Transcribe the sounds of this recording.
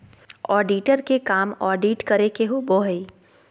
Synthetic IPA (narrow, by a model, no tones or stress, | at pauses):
ɔːɖiːʈəɾkekaːmɔːɖiʈkɐɾekeɦoboɦəi